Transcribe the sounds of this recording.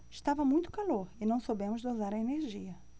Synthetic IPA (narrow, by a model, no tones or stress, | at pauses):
ɪʃt̪avɐmũj̃t̪ʊ̥kaloɾɪnɐ̃w̃sobẽmʊzd̪ozaɾɐeneɾʒiɐ